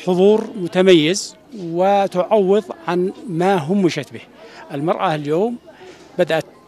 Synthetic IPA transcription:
ħʊðˤuːɾmʊt̪amajːɪz | wɪt̪ʊʕawːɨðˤʕanmaɦʊmːɪʃat̪bihʔɪlmɑɾˤʔɑljoːm | bad̪ʔat̪

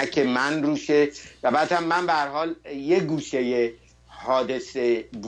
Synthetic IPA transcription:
æcʰemænruːʃevæbæːd̪hæmːænbehæɾhɒːljeɡuːʃeje | hɒːd̪e̞seb

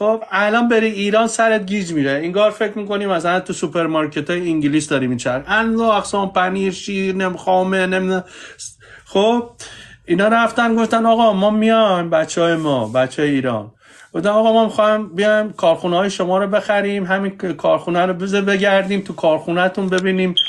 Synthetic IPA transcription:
xobælɒːnbe̞ɾiːiːɾɒːnsæɾet̪̚ɡiːd͡ʒmiɾeiŋɡɒːɾfecʰɾmiːko̞niːmːæsælænt̪ʰusupʰe̞ɾmɒɾkʰet̪ʰɒːjeiŋɟilisd̪ɒːɾimit͡ʃʰæɾænzoæxsɒːnpʰæniːɾʃiːɾnemixɒːmenemid̪ | xobbiːnɒːɾæft̪ænɡo̞ft̪ænɒɣɒmɒːmijɒnbæt͡ʃʰːɒːjemɒːbæt͡ʃʰːɒːjeiːɾɒ̰ːn | ɡɡo̞ft̪ænɒɣɒːmɒːmixɒmbijɒjmkʰɒːɾxuneɒːjeʃomɒːɾobe̞xæɾiːmɦæminkʰɒːɾxunæɾobezebe̞ɡæɾd̪iːmt̪ʰukʰɒːɾxunæt̪ʰunbe̞biːniːm

